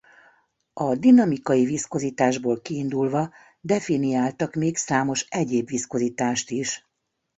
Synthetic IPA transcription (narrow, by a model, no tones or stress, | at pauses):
ɒd̪inɒmikɒjivisko̞ziːt̪aːʒboːlkiːnd̪ulvɒ | d̪ɛfinijaːlt̪ɒkmeːksaːmo̞ʃɛɟeːbʋisko̞ziːt̪aːʃt̪iʃ